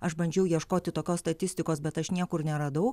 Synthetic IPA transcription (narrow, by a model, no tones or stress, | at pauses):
ɐʃbɐnʲd͡ʒʲɛʊjiɛʃkoːt̪ʲɪt̪oːkʲoːsst̪ɐt̪ʲɪsʲt̪ʲɪkoːsbʲɛt̪ɐʃnʲiɛkʊɾnʲɛɾɐd̪ɐʊ